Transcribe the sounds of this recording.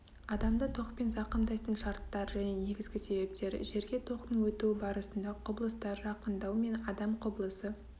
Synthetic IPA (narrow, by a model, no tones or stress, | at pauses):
ɑd̪ɑmd̪ət̪ʰo̞qpe̞nzɑqəmd̪ɑjt̪ənʃɑɾt̪ːɑɾʒæne̞ne̞ɡʲɪzɡʲɪse̞be̞p̚t̪e̞ɾʒe̞ɾɡʲe̞t̪ʰo̞qt̪əŋwɵt̪uɪbɑɾəsənd̪ɑqʰʊblˠəst̪ɑɾʒɑqənd̪ɑwme̞nɑd̪ɑmqʰʊblˠəsə